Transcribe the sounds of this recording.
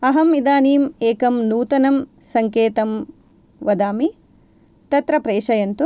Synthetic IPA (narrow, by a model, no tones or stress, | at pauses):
ɐɦɐmid̪aːniːmeːkɐmnuːt̪ɐnɐm | sɐŋkeːt̪ɐm | ʋɐd̪aːmi | t̪ɐt̪ɾɐpɾeːʂɐjɐnt̪u